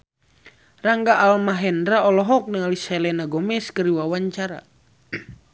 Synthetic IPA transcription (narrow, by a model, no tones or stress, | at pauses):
raŋɡaʔːlmaɦɛndɾaɔlɔɦɔk̚nəŋalisɛlɛnaɡɔmɛskəɾiwawaɲt͡ʃaɾa̰